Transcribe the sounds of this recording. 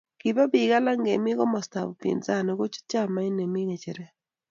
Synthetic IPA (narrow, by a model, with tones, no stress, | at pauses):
ki˨ba˦bi˨ɡa˦la˦ŋɡe˨mɪ˦ɣɔ˦mɔ˨sta̰˨βɔ˨pjḛ˨nza˦˨no˨ɡo˦t͡ʃu̥˦t͡ʃa˦˨ma˦ɪ˦ne˨mi˦ŋe˨t͡ʃe˨ɾe˦